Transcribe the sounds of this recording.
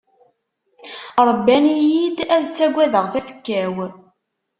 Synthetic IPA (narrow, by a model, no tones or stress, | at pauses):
ɾˤbːænijjid̪æðt͡sːæɡʷːæðəʁθæfə̥kːæw